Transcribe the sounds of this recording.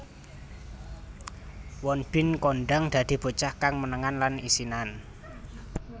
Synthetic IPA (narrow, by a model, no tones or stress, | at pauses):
wɔnb̥ɪ̤nkɔɳɖaŋd̪̥ä̤d̪̥i̤b̥o̤t͡ʃahkaŋmənəŋanlanisinan